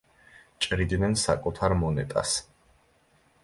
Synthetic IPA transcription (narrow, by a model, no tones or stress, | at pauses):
t͡ʃʼɾid̪nɛnsakʼut̪ʰaɾmɔnɛt̪ʼa̰s